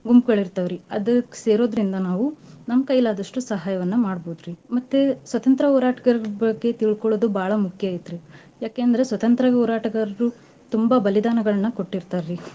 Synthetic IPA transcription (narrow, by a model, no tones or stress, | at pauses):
ɡumpɡɐɭiɾt̪aʋɾiɐd̪ɐkse̞ːɾo̞ːd̪ɾind̪ɐnaːʋunɐmkɐjlaːd̪ɐʂʈusɐɦaːjɐʋɐnːɐmaːɽboːud̪ɾimɐt̪ːesʋɐt̪ɐnt̪ɾɐɦoːɾaːʈɐ̥ɡɐɾɾbɐɡːe̞t̪iɭkoɭod̪ubʱaːɭɐmukʰjait̪ːɾi | jaːke̞ːɐnd̪ɐɾe̞sʋɐt̪ɐnt̪ɾɐʋoːɾaːʈɐɡɐɾɐɾu | t̪umbɐbɐlid̪aːnɐɡɐɭɐnːɐko̞ʈːiɾt̪aːɾɾi